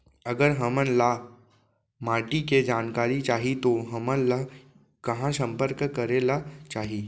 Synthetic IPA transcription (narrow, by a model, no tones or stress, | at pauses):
əɡəɾɦɐmə̃nla | maːʈiked͡ʒaːnkaːɾit͡ʃaːɦit̪oɦɐmənla | kɐɦãsə̃mpəɾkkəɾelat͡ʃaːɦiː